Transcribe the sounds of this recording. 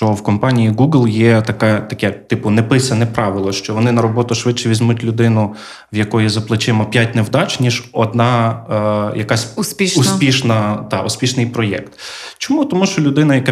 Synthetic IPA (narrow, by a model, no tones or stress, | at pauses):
t͡ʃɔwkɔmpɑnʲijiɡuɡlˠjɛt̪ɐkɛt̪ɐkʲɛt̪ɪpʊnɛpɪsʲɐnɛpɾɑʋɪlˠɔʃt͡ʃɔʋɔnɪnɐɾɔbɔt̪ʊʃʋɪt͡ʃːɛʋʲizʲmutʲlʲʊd̪ɪnʊ | ʋjɐkɔjizɐplˠɪt͡ʃɪmɔpʲjatʲnewd̪ɑt͡ʃnʲiʒɔd̪nɑ | jɐkɑsʲspʲiʃʊspʲiʃnɐt̪ɑʔʊspʲiʃnɪjpɾɔjɛ̰kt̪t͡ʃɔmut̪ɔmuʃt͡ʃɔlʲʊd̪ɪnɐjɐkɑ